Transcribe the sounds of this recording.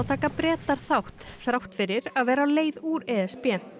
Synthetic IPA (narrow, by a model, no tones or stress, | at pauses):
t̪ʰaːkapɾɛːt̪aɾ̥θawht̪θɾawht̪fɪɾɪɾaðvɛːɾaaleːjðuːɾɛɛspjɛn